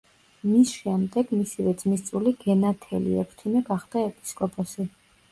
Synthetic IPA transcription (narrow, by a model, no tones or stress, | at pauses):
misʃɛmd̪ɛɡmisivɛd̪zmist̪sʼuliɡɛnat̪ʰɛlḭɛ̰pʰɾt̪ʰimɛɡaχd̪aɛpʼi̥skʼɔpʼɔsi